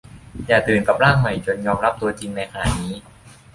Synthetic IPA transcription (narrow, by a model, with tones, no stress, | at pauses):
jaː˨˩t̪ɯː˨˩nka˨˩p̚laː˥˩ŋ̚ma˨˩jt͡ɕo˧njɔː˧mɾa˦˥p̚t̪u˧ɐt͡ɕi˧ŋna˧jkʰa˧na̰ː˨˩niː˦˥